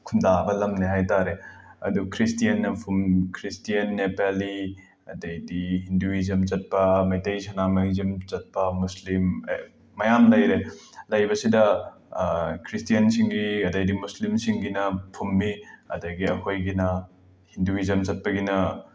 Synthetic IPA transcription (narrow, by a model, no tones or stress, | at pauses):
kʰundabɐlɐmneɦajtaɾeɐ̰dukʰɾistijɐnːɐpʰumkʰɾistijɐnːepali | ɐdɐjdiɦinduizɐmt͡ʃɐt̚pɐmɐjtɐjsʰɐnamɐŋzɐmt͡ʃɐt̚pɐmuslimː | ɐjamlɐjɾelɐjbɐsidɐ | kʰɾistijɐnsiŋɡiɡɐdɐjdimuslimsiŋɡinɐpʰumːiɐ̰dɐɡiɐhojɡinɐ | hinduizɐmt͡ʃɐt̚pɐɡinɐ